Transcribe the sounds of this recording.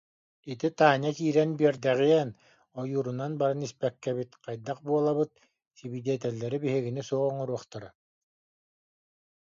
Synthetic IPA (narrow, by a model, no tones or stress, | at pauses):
it̪it̪aːɲakiːɾɛnbiɛɾd̪ɛʁiɛn | ɔjuːɾunanbaɾɯnispɛkːɛβit̪qajd̪aqbuɔlˠaβɯt̪̚ | sibid̪iɛt̪ɛlːɛɾibiɦiɣinisuɔʁɔŋɔɾuɔχt̪aɾa